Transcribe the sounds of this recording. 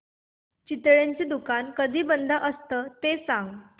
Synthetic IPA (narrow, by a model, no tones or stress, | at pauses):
t͡ɕit̪ɭaɲt͡ɕed̪ukankəd̪ʱiːbənd̪ʱaʔəst̪ət̪esãŋɡ